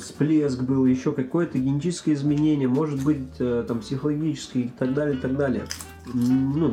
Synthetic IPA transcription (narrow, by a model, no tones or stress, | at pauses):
splʲesɡbɨlˠjɪɕːo̞kɐko̞jət̪əɡʲɪnʲt͡ɕʲit͡ʃɪ̥skəjəɪzmʲɪnʲenʲɪjəmo̞ʐɨt̪̚bɨtʲət̪ampsʲɪxəlˠɐɡʲit͡ɕɪ̥skʲɪt̪ɐɡd̪alʲɪəɪt̪ɐɡ̚d̪alʲɪjə | nu